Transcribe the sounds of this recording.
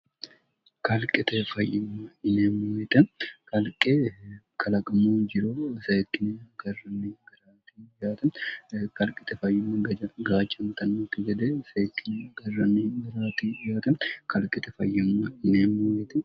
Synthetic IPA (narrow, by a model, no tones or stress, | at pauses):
kʰɐlkʼɪt̪ɛfɐjːɪmːɐɪneːmːuwɛt̪ʼɛkʰɐlkʼe | kʰɐlɐkʼɐmoːnd͡ʒɪɾoːɪsɐjɪkːɪnɛɡɐrːɐnːeɡɐɾaːt̪ʰijaːt̪ɐnkɐlkʼɪ̥t̪ɛfɐjːɪmːɐɡɐɐɡaːt͡ʃʼːɐmt̪ɐnːokːɪɡɐd̪ɛsɐjɛkːɪneɡɐrːɐneːɡɐɾaːt̪ijaːt̪ʼɐnkʰɐlkʼɪt̪ɛfɐjːɪmːɐɪneːmːuwɛt̪ɛ